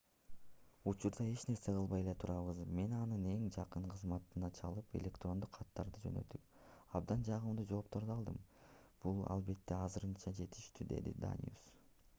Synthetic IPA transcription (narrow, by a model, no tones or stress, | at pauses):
ut͡ʃuɾd̪ɑe̞t͡ʃne̞ɾse̞qɯlˠβɑje̞le̞t̪ʰuɾɑβɯzme̞nɑnɯne̞ŋd͡ʒɑqɯɴqʰɯzmɑt̪ːɯnɑt͡ʃʰɑlˠɯpe̞̰lʲe̞kt̪ro̞nd̪uqʰːɑt̪ːɑɾd̪ɯd͡ʒø̞̰nø̞̰t̪yp̚ | ɑbd̪ɑnd͡ʒɑʁɯmd̪ud͡ʒo̞ːp̚t̪o̞ɾd̪ɑɑlˠd̪ɯmb̥ulˠɑ̰lˠbe̞t̪ːe̞ɑzɯɾɯnt͡ʃɑd͡ʒe̞t̪i̥ʃt̪yd̪e̞̰d̪ḭd̪a̰nʲjṵs